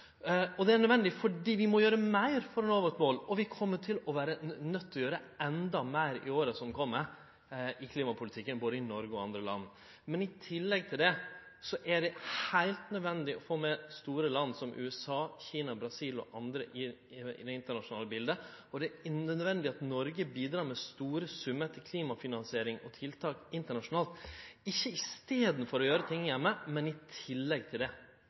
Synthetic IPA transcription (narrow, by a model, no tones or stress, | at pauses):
ɔd̪ɛæɳnœd̪ʋɛnd̪ɪfɔɖiːʋɪmɔjøːɾəmæɪɾfɔɾɛnoːʋəʈ̪moːlɔʋɪkʰɔmːəʈʰɪlɔʋæːɾənœt̪ʰːɔjøːɾəɛnd̪ɑmæɪɾɪ̰oːɾəsɔmkʰɔmːəɾ | ɪkʰliːmɑpʰʊlɪt̪ʰɪkːənboːd̪əɪnɔɾɡəɔɑnd̪ɾəlɑ̰nː | mɛnɪt̪ʰɪlːɛɡ̚t̪ʰɪld̪ɛ | sɔʔæɖɛhhæɪlt̪nœd̪ʋɛnd̪ɪʔɔfoːmɛst̪uːɾəlɑnːsɔmʔʉ̰ːɛsɑːçiːnɑbɾɑsiːlɔ̰ʔɑnd̪ɾəʔɪ̰ | d̪ɛɪnt̪əɳɑʂʊnɑːləbɪld̪ə | ɔd̪ɛæœd̪ʋɛnd̪ɪɑt̪nɔɾɡəbiːd̪ɾɑːɾmɛst̪uːɾəsʉmːət̪ʰɪkʰliːmɑfɪnɑnsɪeːɾɪŋɔt̪ʰɪlt̪ʰɑːkɪnt̪əɳɑʂʊnɑːlt̪ɪçːəɪst̪eːd̪n̩fɔɾɔjøːɾət̪ʰɪŋːəjɛmːəmɛnɪt̪ʰɪlːɛɡ̚t̪ʰɪld̪ɛ